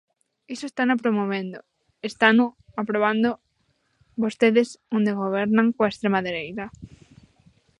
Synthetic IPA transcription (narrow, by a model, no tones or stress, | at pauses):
isoest̪anopɾomoβẽnd̪o | est̪anʊ | apɾoβ̞and̪o | βost̪eðɪsõnd̪eɣ̞oβ̞ɛɾnãŋkoaest̪ɾemaðeɾejt̪ɐ